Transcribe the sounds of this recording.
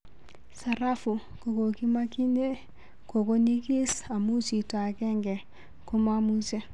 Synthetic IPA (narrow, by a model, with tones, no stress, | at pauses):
sa˨ɾa˦fu˨ | ko˨ko˨ki˦ma˦ki˦ne˦ | ko˨ko˦ɲi˦ki˦sa˨mu˦t͡ʃi˨ta˨kɛ˦ŋɡɛ˨ | ko˦mamu˦t͡ʃe˦